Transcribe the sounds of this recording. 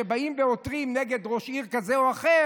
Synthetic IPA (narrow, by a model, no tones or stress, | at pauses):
ebaimveotʁimneɡe̞d̪ʁo̞ʃiʁkazeoaχe